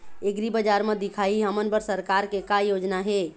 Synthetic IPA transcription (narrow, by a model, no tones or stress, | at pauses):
eɡɾibəd͡ʒaɾmẽd̪ikʰaiɦəmənbəɾsəɾkaɾkekajod͡ʒnaɦe